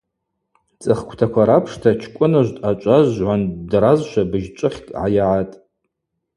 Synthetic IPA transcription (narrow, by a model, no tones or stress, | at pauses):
t͡sʼɨχkʷʰtʰakʷʰaɾapʰʂtʰat͡ʃʰkʷʼʊnɨʒʷtʼat͡ʃʷʼazʕʷandrazʃʷabɨʒt͡ʃʷʼɨχʲkʼʕa̰jaʕatʼ